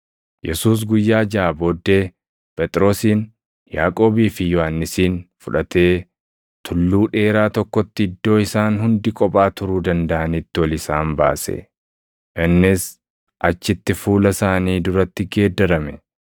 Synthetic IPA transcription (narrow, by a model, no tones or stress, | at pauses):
jɛsuːs̬ɡʊjːaːd͡ʒaːbo̞ːd̪ːe̞ː | pʼɛt̪ʼɪɾo̞ːsiːn | jaːkʼo̞ːbiːfɪjɔhɐnːɪsiːnfʊᶑɐt̪e̞ː | t̪ʰʊlːuːᶑe̞ːɾaːt̪ɔkːɔt̪ːɪd̪ːo̞ːɪsaːnhʊnd̪ɪkʼɔpʼaːt̪ʊɾuːd̪ɐnd̪ɐʔɐnit̪ːɪwɔlɪsaːmba̰ːsɛ̰ | ʔɪnːɪs | ʔɐt͡ʃːɪt̪ːɪfuːlɐsaːniːd̪ʊɾɐt̪ːɪɡeːd̪ːɐɾɐmɛ